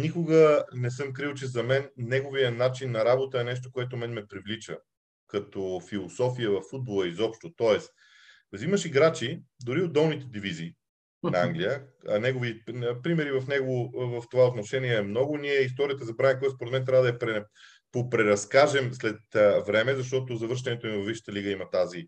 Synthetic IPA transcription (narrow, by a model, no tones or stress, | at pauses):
nikʊɡənɛsɤmkɾilˠt͡ʃɛzɐmɛnːɛɡovijənat͡ʃinːɐɾabot̪əɛnɛʃ̬t̪okoɛt̪omɛnmɛpɾivlit͡ʃə̰ | kɐt̪ɔfilˠosɔfijəvɐfːud̪̚bolˠəizɔpʃt̪ot̪ɔɛs | ziməʃiɡɾat͡ʃid̪ʊɾiod̪ɛlˠnit̪ɛd̪iviziː | nɐaŋɡlijənɛɡovipɾimɛɾivɐfnɛɡovovɐft̪ovaot̪noʃɛniɛɛmnɔɡʊniɛist̪ɔɾijət̪əzɐbɾanɛkɔɛt̪spoɾɛt̪mɛnt̪ɾavəd̪ɐjpɾɛ | popɾɛɾɐskaʒɛmslɛt̪vɾɛmɛzɐʃt̪ɔt̪ozɐvɤɾʃ̬t̪ɛnɛt̪omivɐfviʃə̥t̪əliɡəimɐt̪azi